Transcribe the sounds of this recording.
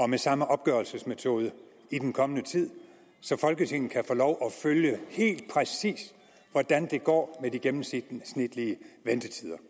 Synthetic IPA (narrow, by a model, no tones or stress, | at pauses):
ɒ̽mesɑ̈məʔɒ̽b̥ɡ̥ɶɐlsəsmet͡sʰo̝ːð̞ˠə | id̥enkʰɒ̽mənət͡sʰið̞̰ˠ | sɒ̽fɒ̽lɡ̥ət͡sʰe̝ŋ̰n̩kʰæfo̝ːlɒʊʔɒføljəhe̝̰ːld̥̚pʰʁɛsḭːs | ʋɒd̥ænd̥e̝ɡ̥ɒ̰ːmediɡ̥emm̩sid̥snid̥liəʋend̥ət͡sʰið̞̰ˠɐ